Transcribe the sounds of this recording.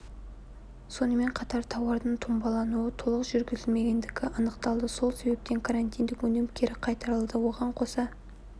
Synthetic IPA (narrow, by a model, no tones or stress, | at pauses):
so̞nəme̞ɴqʰɑt̪ɑɾt̪ʰɑwɑɾd̪əɴt̪ʰʊmbɑlˠɑnuət̪ʰolˠəqʒʏɾɡʲɪzɪlme̞ɡʲe̞nd̪ɪɡʲɪʔɑnəqt̪ɑlˠd̪əso̞lˠse̞be̞p̚t̪e̞ŋkʰaɾant̪ijnd̪ɪkwɵnemkʲʰe̞ɾɪqʰɑjt̪ɑɾəlˠd̪əwo̞ʁɑɴqʰo̞sɑ